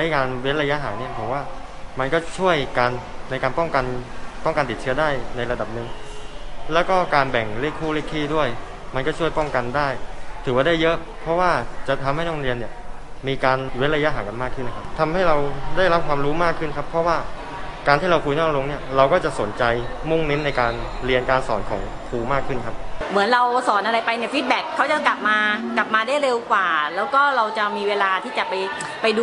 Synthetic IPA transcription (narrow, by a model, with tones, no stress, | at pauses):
t͡ɕa˦˥jkaː˧nwe˦˥t̚ɾa˧ja˦˥ɦa̰ː˩˦ni˥˩ɐpʰo˨˩˦waː˥˩ | ma˧nkɔː˥˩t͡ɕʰu˥˩əjkaː˧nːa˧jkaː˧npɔ˥˩ŋka˧npɔ˥˩ŋka˧nt̪i˨˩t̪̚t͡ɕʰɯ˦˥ɐdaː˥˩jna˧jɾa˧da˨˩p̚nɯ˨˩ŋ | lɛː˦˥wkɔː˥˩kaː˧nbɛ˨˩ŋle˦˥˩kʰːuː˥˩liː˥˩kʰːiː˥˩du˥˩əj | ma˧nkɔː˥˩t͡ɕʰu˥˩əjpɔ˥˩ŋka˧ndaː˥˩jt̪ʰɯː˩˦waː˥˩daː˥˩jːɤ˦˥ʔ | pʰɔ˦˥waː˥˩t͡ɕa˨˩t̪ʰa˧mha˥˩jnɔː˥˩ɾi˧ənːi˥˩ɐ | miː˧kaː˧nwe˦˥t̪̚ɾa˧ja˦˥ɦaː˩˦ka˧nmaː˥˩kʰːɯ˥˩nːa˦kʰa˦˥p̚t̪ʰa˧mha˥˩jɾa˧wdaː˥˩jɾa˦p̚kʰwaː˧mɾuː˦˥maː˥˩kʰːɯ˥˩nkʰa˦˥pʰɾɔ˦˥waː˥˩ | kaː˧nt̪ʰiː˥˩ɾa˧wkʰuː˧jnɔː˥˩k̚lo˧ŋni˥˩ɐɾa˧wkɔː˥˩t͡ɕa˨˩ʔso˩˦nt͡ɕa˧j | mu˥˩ŋni˦˥m̚na˧jkaː˧n | ɾi˧ənkaː˧nsɔː˩˦nkʰɔː˩˦ŋ | kʰuː˧maː˥˩kʰːɯ˥˩nkʰa˦˥p̚mɯ˩˦ənɾa˧wsɔː˨˩˦nʔa˧ɾa˧jpa˧jni˥˩fiː˦˥t̪̚bɛː˨˩kʰːa˦˥wt͡ɕa˨˩kla˨˩p̚maː˧kla˨˩p̚maː˧daː˥˩jɾe˧wkwaː˨˩lɛː˦˥wkɔː˥˩ɾa˧wt͡ɕa˨˩miː˧weː˧laː˧t̪ʰiː˥˩t͡ɕa˨˩pa˧j | pa˧jdu˧